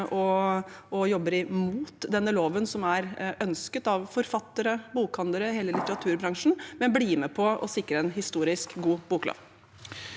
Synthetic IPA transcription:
ʔɔ | ɔjɔbːəɾɪmuːt̪d̪ɛnːəloːʋənsɔmæɾœnskət̪ɑʋfɔɾfɑt̪ːəɾəbuːkhɑnd̪əɾəɦeːləlɪt̪əɾɑt̪ʰʉːɾbɾɑŋʂɳ̩mɛnbliːmɛpʰɔʔɔ̰sɪkːɾəɛnɦɪst̪uːɾɪskɡuːbuːklo̰ːʋ

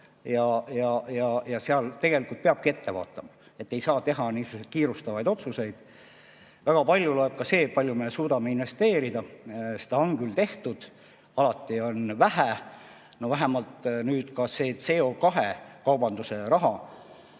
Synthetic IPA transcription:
jɑjɑjɑjɑseɑlt̪e̞ɡ̥e̞likult̪̚peɑb̥̚kie̞t̪ːe̞vɑ̰ːt̪ˑːɑmɑ | e̞t̪ːe̞jsɑːt̪e̞ɦɑniːsuset̪̚kiːɾust̪ɑvɑjd̪o̞t̪suse̞jd̪̥ | væɡ̥ɑpɑlʲjulo̞e̞b̥̚kɑse̞ːpɑlʲjumesuːd̪ɑme̞inve̞st̪e̞ːɾid̪̥ɑse̥d̪ɑoŋɡylt̪e̞ht̪ud̪̥ | ɑlɑt̪ːˑio̞nvæɦæ | no̞væɦæmɑlt̪nyːd̪̥kɑse̞ːt̪se̞okɑɦe̞kɑwbɑnd̪use̞ɾɑɦɑ

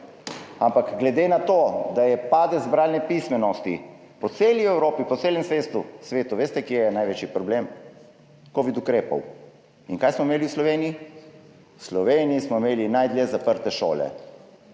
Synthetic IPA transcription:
ampakɡlɛd̪eːnat̪oːd̪ajɛpad̪ɛzbɾaːlnɛpismɛnɔst̪ḭ | pɔt̪seːliɛwɾoːpipɔt̪seːlɛmsʋeːst̪usʋeːt̪uʋeːst̪ɛkjejɛnajʋeːt͡ʃipɾɔblem | koʋid̪ukɾeːpɔ̰w | iŋkajsmɔimeːliwslɔʋeːnii | slɔʋeːniismɔimeːlinajd̪ljezapəɾt̪ɛʃo̰ːlɛ̰

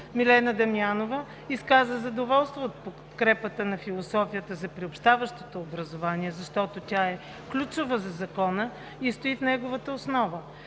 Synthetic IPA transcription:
milɛnəd̪ɐmianovə | iskazəzɐd̪ovɔlˠst̪voot̪̚po | kɾɛpət̪ənɐfilˠosɔfijət̪əzɐpɾiopʃt̪avəʃt̪ot̪oːbɾɐzovaniɛzɐʃt̪ɔt̪otʲaɛ | klʲut͡ʃʊvəzɐzɐkɔnə | ist̪oifnɛɡovət̪əosnɔvə

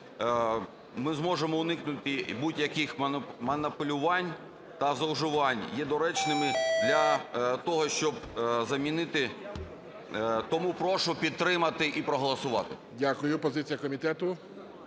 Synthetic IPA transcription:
mɪzmɔʒemɔʊnɪknʊt̪ɪbutʲjɐkɪxmɐnɐpʊlʲʊʋɑnʲ | t̪ɐzɐwʒɪʋɑnʲjɛd̪ɔɾɛt͡ʃnɪmɪd̪lʲɐt̪ɔɦɔʃt͡ʃɔb̚zɐmʲinɪt̪ɪ | t̪ɔmupɾɔʃʊpʲid̪̚t̪ːɾɪmɐt̪ɪʔipɾɔɦɔlˠɐsʊʋɑ̰t̪ɪ | dʲakʊjʊpɔzɪt͡sʲijɐkɔmʲit̪ɛt̪ʊ

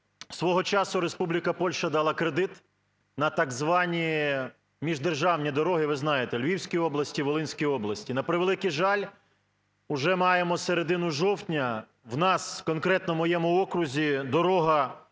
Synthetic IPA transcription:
sʋɔɦɔt͡ʃɑsʊɾespublʲikɐpɔlʲʃɐd̪ɑlˠɑkɾed̪ɪt̪ | nɐt̪ɑɡzʋɑnʲi | mʲiʒd̪erʒɑwnʲid̪ɔɾɔɦɪʋɪznɑjet̪ɛlʲʋʲiwsʲkʲijɔblˠɐsʲtʲiʋolˠɪnʲsʲkijɔblˠɐsʲtʲinɐpɾɪʋelˠɪkiʒɑlʲ | ʊʒɛmɑjemɔseɾed̪ɪnʊʒɔwt̪ʲnʲɐ | wnɑskɔnkɾɛt̪nɔmɔjɛmʊɔkɾʊzʲid̪ɔɾɔɦɐ

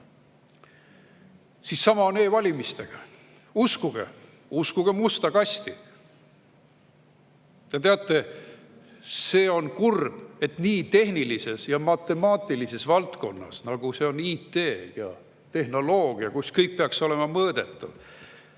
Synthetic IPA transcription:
sisːɑmɑone̞ːvɑlʲimist̪e̞ɡ̥ɑ | uskuɡ̥ḛ | uskuɡ̥e̞must̪ɑkɑsʲt̪i | jɑt̪e̞ɑt̪ˑːe̞ | se̞ːo̞nkurb̥e̞t̪niːt̪e̞ɦnilise̞sjɑmɑt̪ːˑe̞mɑːt̪ːˑilise̞svɑlt̪ko̞nːɑ̰snɑɡ̥use̞o̞niːt̪e̞ːjɑ̰ | t̪e̞hno̞lo̞ːɡ̥iɑkuskɤjk̚peɑkso̞le̞mɑmɤːd̪̥e̞t̪ˑːɑ̰v

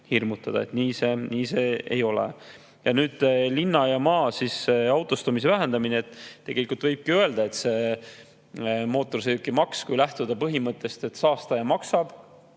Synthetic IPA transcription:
hirmut̪ːˑɑd̪ɑ̰e̞t̪niːseniːse̞ḛjo̞lḛ | jɑnyːd̪̥linːɑjɑmɑːsisːeɑwt̪ˑost̪umis̬e̞væɦe̞nd̪̥ɑmineet̪ːe̞ɡ̥e̞likːult̪vɤjb̥̚kiøe̞ld̪ɑe̞t̪se̞ | mo̞ːt̪ːˑo̞rsejukːimɑkskujlæht̪ud̪̥ɑpɤɦimɤt̪ˑːe̞st̪e̞t̪sɑːst̪ɑjɑmɑksɑb̥

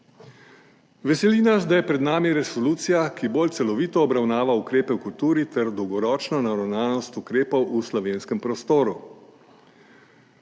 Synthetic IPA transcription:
ʋɛsɛlinasd̪ajɛpɾɛd̪naːmiɾɛsɔluːt̪sijakiboːlt̪sɛlɔʋiːt̪ɔːbɾawnaːʋaukɾeːpɛwkult̪uːɾit̪ɛɾd̪ɔwɡɔɾɔːt͡ʃnɔnaɾawnaːnɔst̪ukɾeːpɔwʔuslɔʋeːnskəmpɾɔst̪oːɾu

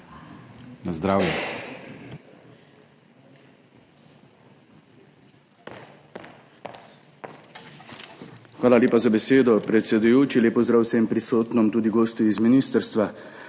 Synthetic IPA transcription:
nazd̪ɾaːwjɛ | xʋaːlalʲeːpazabɛseːd̪ɔpɾɛt̪sɛd̪ujoːt͡ʃileːpɔzd̪ɾaːwsɛmpɾisoːt̪nɔmt̪uːd̪iɡoːst̪uizminist̪əɾst̪ʋa

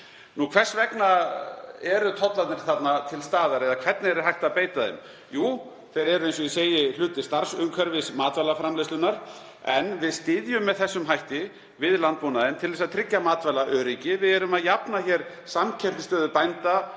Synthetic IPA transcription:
nukʰvɛrsvɛkna | ɛɾʏt̪ʰɔt̪lat̪nɪɾ̥θat̪nat̪ʰɪlst̪aːðaɾɛðakʰv̥ɛt̪nɪɛɾʏ̥ɾɦajht̪apeːjt̪aðḛm | juː | θejɾɛɾʏejnsɔiseːjɪlʏːt̪ɪ̥st̪aɾ̥sʏmkʰœɾvɪsmaːt̪vɛlːafɾamleslʏnaɾ̥ | ɛnvɪðst̪ɪðjʏmːɛðθɛsːʏmɦajht̪ɪ | vɪðlant̪̚puːnaðɪnt̪ʰɪlɛsaðt̪ʰɾɪcːamaːt̪vɛlaʔœːɾicɪvɪðɛɾʏmaðjapnaçɛɾ̥ | samcʰɛr̥t̪ɪst̪œːðʏpajnt̪a

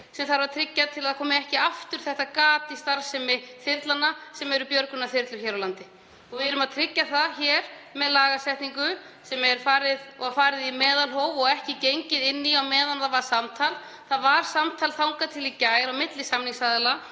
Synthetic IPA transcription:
sɛmθaɾvaɾt̪ʰɾɪcːaðt̪ʰɪlaðkʰɔːmɪɛhcɪaft̪ʏɾ̥θɛht̪akaːt̪ɪst̪aɾsɛmɪθɪɾt̪lanːasɛmɛɾʏpjœɾkʏnːaθɪɾt̪lʏɾçɛːɾawlant̪ɪ | ɔɣvɪðʏɾʏmaðt̪ʰɾɪcːaθaðçɛːɾ̥ | mɛðlaːɣasɛht̪niŋkʏ | sɛmɛɾ̥faːɾɪðɔafaːɾɪðimɛːðalɦɔoːwvɔɣɛhcɪcejɲcɪðɪnːiawmɛːðanðavasamt̪ʰaːl | θaðvaɾ̥samt̪ʰalθawŋkat̪ʰɪlicaːjɾawmɪt̪lɪsamniŋsaðɪla

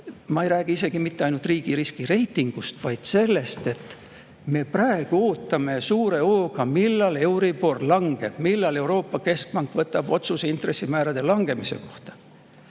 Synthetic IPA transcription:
mɑejɾæːɡ̥iis̬e̞ɡ̥imit̪ːeɑjnult̪riːɡ̥iɾiskiɾe̞jt̪ːˑiŋɡ̥ust̪vɑjd̪̥se̞lːe̞st̪e̞t̪ː | me̞præe̞ɡ̥uo̞ːt̪ːˑɑme̞suːɾe̞o̞ːɡ̥ɑmilːɑle̞wɾipo̞rlɑŋɡ̥e̞b̥milːɑle̞uɾo̞ːpːɑke̞sk̚pɑŋkˑvɤt̪ːˑɑb̥o̞t̪suseint̪re̞sːimæːɾɑd̪̥e̞lɑŋɡ̥e̞mise̞̰ko̞ht̪ɑ̥

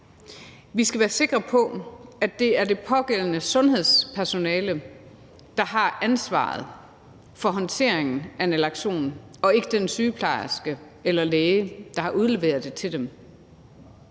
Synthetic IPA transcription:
ʋisɡ̥æʋæːɐse̝ɡ̥ʁɐpʰɒ̽æd̥e̝æɐde̝pʰɒ̽ɡ̥el̰ənəsɔ̽nɦe̝ð̞̰ˠspʰæɐso̝nɛːlə | d̥ɑ̈ɦɑ̈ænsʋɑ̰̈ːð̞̩ˠ | fɒ̽ɦɒ̽nt͡sʰe̝ɐ̰eŋn̩æenælɑ̈ɡ̥ɕo̝̰ːnɒ̽e̝ɡ̥əd̥ensyːpʰlɑ̈ɪsɡ̥ə | elɐleːəd̥ɑ̈hɑ̈ʔuð̞ˠle̝ʋe̝ːɐð̩ˠd̥e̝t͡sʰe̝ld̥em

